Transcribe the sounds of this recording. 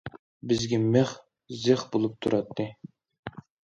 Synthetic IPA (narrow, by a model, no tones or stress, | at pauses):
bɪzɡʲɛmeχ | zɨχbolˠup̚t̪ʰuɾʔɑt̪ʰːɨ